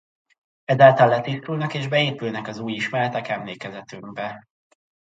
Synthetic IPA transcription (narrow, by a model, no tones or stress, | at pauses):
ɛzaːlt̪ɒlːɛt̪ist̪ulnɒkeːʒbɛeːpylnɛkɒzuːjiʃmɛlɛt̪ɛkɛmleːkɛzɛt̪yŋɡbɛ